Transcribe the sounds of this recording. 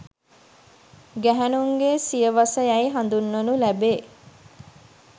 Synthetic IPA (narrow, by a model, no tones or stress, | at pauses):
ɡæɦænuŋɡesijəʋɐsəjæjɦand̪unːonulæbeː